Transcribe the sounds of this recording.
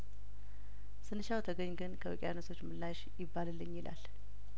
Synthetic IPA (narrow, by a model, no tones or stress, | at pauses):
sɨnɨʃawt̪ʰəɡəɲɡɨnkʰəwəkʼja̰nəsʰo̞t͡ʃːmɨlːaʃjɪbːalɨlːɨɲːjɪla̰l